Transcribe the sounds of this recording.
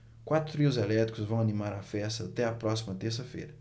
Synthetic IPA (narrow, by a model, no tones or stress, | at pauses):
kwat̪ɾʊt̪ɾiʊzɛlɛt̪ɾikʊzvɐ̃w̃ɐnimaɾafɛst̪ɐːt̪ɛɐpɾɔsimɐt̪eɾsɐfḛjɾɐ